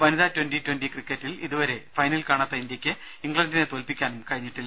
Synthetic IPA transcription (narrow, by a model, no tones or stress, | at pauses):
ʋɐniðɐtwenditwendikrikːɐtːiliðuʋɐɾe̞fɐjnɐlkaːɳɐt̪ːɐind̪jɐkʲːɨ | iŋɡɭɐndinet̪oːlpikʲːaːnumkɐɻiɲːiʈːilː